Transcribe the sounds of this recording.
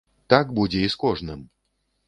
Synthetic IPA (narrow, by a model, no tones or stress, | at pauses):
t̪akbud͡zʲɛiskɔʐnɨm